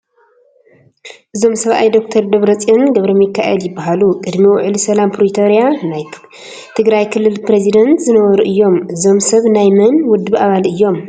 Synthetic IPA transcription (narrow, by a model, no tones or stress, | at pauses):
ʔɨzo̞msɐβʔa̰jd̪o̞kt̪ʰɐɾd̪oβɾɐt͡sʼonɡɐβɾɐmjɨkʰːaʔɛ̰ljɪbːaɦalukʼɨd̪miwʊʕlisɐlampʰɾit̪ʰo̞ɾijanaj | t̪ʰɨɡɾajkʰɨlːɨlpʰɾezid̪ɐnt̪zɨnɐβɐɾuʔɨjːo̞mʔɨzo̞msɐβnajmɐnwʊd̪ːɨβʔaβalʔɨjːo̞m